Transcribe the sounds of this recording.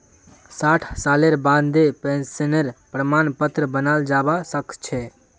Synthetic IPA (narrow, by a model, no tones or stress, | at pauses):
saʈʰsaleɾbãnd̪epẽnsəneɾpɾəmanpət̪ɾəbənald͡ʒabasəkt͡ʃʰɛ